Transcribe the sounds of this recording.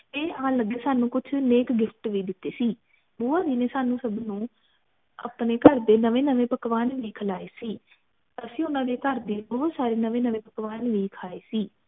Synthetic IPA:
eːãːləɡeːsaːnũːkʊt͡ʃʰneːkɡɪfʰʈʋiːd̪ɪt̪ːeːsiː | buːaːd̪iːneːsaːnũːsəbnũː | ə̰ːpneːkəɾd̪eːnəʋẽːnəʋẽːpəkʋaːnʋiːkʰəlaːeːsiː | t̪əsĩːʊnãːd̪eːkəɾd̪eːbɔːɦt̪saːɾeːnəʋẽːnəʋẽːpəkʋaːnʋiːkʰaːeːsiː

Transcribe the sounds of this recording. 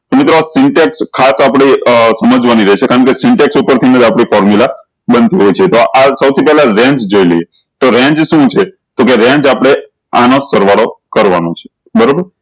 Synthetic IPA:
mɪt̪ɾoasɪɳʈɛkskʰasapɽ̃eəsəməd͡ʒʋaniɾəɦet͡ʃʰekaɾəɳkesɪɳʈɛksupəɾt̪ʰinəd̪apɽifɔɾmjula | bənt̪iɦojt͡ʃʰet̪oʔasəwt̪ʰipɛɦlaɾɛ̃ɲt͡ʃd͡ʒoilḛje | t̪oɾɛ̃ɲd͡ʒʃũt͡ʃʰe | t̪okeɾɛ̃ɲd͡ʒapəɽ̃e | anosəɾʋaɽokəɾʋa̰not͡ʃʰe̥ | bəɾobəɾ

